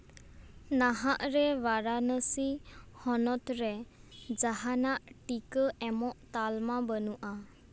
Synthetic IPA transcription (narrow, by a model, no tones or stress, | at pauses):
naɦaʔɾɛwaɾanəsihɔnɔt̪ɾɛd͡ʒaɦanaʔʈikəʔɛmɔʔt̪almabənuʔa